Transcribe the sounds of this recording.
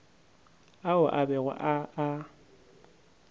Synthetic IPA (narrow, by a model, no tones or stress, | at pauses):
aʊʔabɛɣʊ̰ʔaː